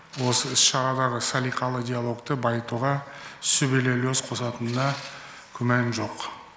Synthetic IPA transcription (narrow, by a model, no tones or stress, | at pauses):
wo̞səɪsʃɑɾɑd̪ɑʁəsalʲijqɑlˠəd̪ʲijalˠo̞kt̪əbɑjt̪uʁɑsʏbelelʲosqʰo̞sɑt̪ənnɑ | kʲʰʏmænʒo̞q